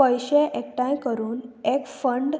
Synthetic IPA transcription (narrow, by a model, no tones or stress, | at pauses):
əjɕeʔekʈãjkəɾuːnekfəɳɖ